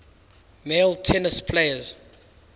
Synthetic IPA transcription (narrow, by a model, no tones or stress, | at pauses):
meltʰɛnəspʰleɪəz